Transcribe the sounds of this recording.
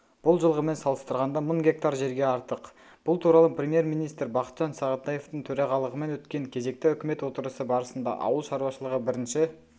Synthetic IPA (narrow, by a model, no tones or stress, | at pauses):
b̥ʊlˠʒəlˠʁəme̞nsɑlˠəst̪əɾʁɑnd̪ɑməɴɡʲe̞k̚t̪ɑɾʒe̞ɾɡʲe̞ɑɾt̪əq | b̥ʊlˠt̪ʰuɾɑlˠəprʲe̞mje̞ɾmijnijst̪ɾbɑqət̪ʒ̥ɑnsɑʁət̪ɑje̞ft̪əɴt̪ʰɵɾɑʁɑlˠəʁəme̞nwɵt̪kʲe̞ŋkʲʰe̞ze̞k̚t̪ɪʏkʲɪme̞t̪wo̞t̪əɾəsəbɑɾəsənd̪ɑ̰ʔɑ̰wəlˠʃɑɾuwɑʃəlˠəʁəbɪɾɪnʃɪ